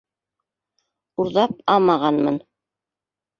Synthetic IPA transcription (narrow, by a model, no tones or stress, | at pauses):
uɾðɑp̚ɑmɑʁɑnmɤn